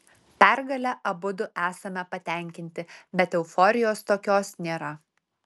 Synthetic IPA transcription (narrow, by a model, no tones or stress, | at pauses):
pʲɛɾɡɐlʲɛʔɐbʊd̪ʊʔæːsɐmʲɛpɐt̪ʲɛˑŋʲkʲɪnʲt̪ʲɪbʲɛt̪ɛʊfɔːɾʲɪjoːst̪oːkʲoːsnʲeːɾɐ